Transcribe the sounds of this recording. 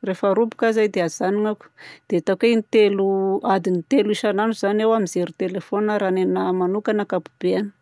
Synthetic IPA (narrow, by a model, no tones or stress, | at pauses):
refaɾubu̥kazajd̪eazaniŋaku̥d̪̥eat̪akejnit̪eluad̪init̪eluiʃananuzanewamizeɾut̪elefonəɾanenamanukanakapu̥b̥eanə̥